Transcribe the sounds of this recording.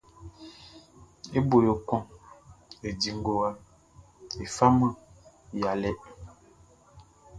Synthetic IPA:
e˦bo˨jo˨kɔ˦ŋ | e˨di˨ŋ˦ɡo˨wa˦ | e˨fa˦mə˦ | ja˨lɛ˦ʔ

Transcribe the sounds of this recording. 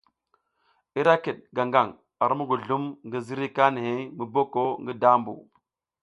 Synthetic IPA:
i˦ɾa˦ki˨ɗ̚ɡa˨ŋɡa˨ŋ | a˨ɾmu˦ɡu˨ɮu˦mŋɡi˦zi˦ɾi˦ka˦ni˨he˦mi˨bo˦ko˦ŋɡi˦da˦mbṵ˨

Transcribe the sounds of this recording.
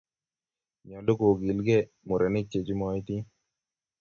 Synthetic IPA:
ɲɔ˨lo˦ko˨ɡi˨lɡe˦ | mʊ˨ɾe˨nɪ˦t͡ʃe˨t͡ʃi˦mɔjt̪i˦

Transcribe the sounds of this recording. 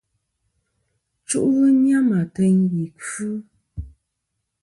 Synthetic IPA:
t͡ʃṵ˦ʔɣɨ˦ɲa˦ma˨te˨ɲbi˨kʉ˦

